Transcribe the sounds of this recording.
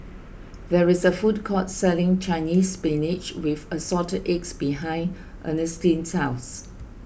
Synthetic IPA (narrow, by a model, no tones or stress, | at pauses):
ðɛɹɪsəfut̚kʰɔtsɛlɪ̃ŋt͡ʃãɪniːspɛ̃nɪd͡ʒwɪðəsɔtəʔeksbiɦãɪ̃n | ʔə̰̃nəstĩnsaʊs